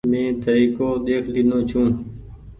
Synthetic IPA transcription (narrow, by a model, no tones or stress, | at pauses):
mẽːt̪əɾiːkoːd̪eːkʰliːnõːt͡ʃʰũː